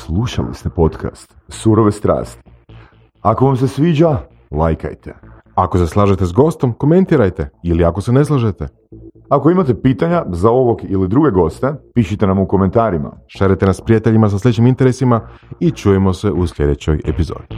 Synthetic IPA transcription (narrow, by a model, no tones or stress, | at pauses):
slˠuʃa̰lḭst̪epo̞t̪ka̰st̪suɾoʋest̪ɾa̰ːst̪i̥ | ako̞ʋams̬e̞sʋiːd͡ʒa | lajka̰jt̪ḛ | akose̞slˠaːʒet̪e̞zɡo̞st̪o̞mko̞me̞nt̪iːɾajt̪e̞iliako̞se̞ne̞slˠaʒet̪e̞ | ako̞imat̪e̞piːt̪aɲazao̞ʋo̞ɡilid̪ɾuɡe̞ɡo̞st̪e̞piʃit̪enamuko̞me̞nt̪aːɾima̰ʃeɾet̪enaspɾijat̪e̞ʎimas̬aslʎʲet͡ɕimint̪e̞ɾesimait͡ʃuːjemo̞se̞ʔusʎʲe̞d̪e̞t͡ɕo̞jḛpizo̞̰ːd̪i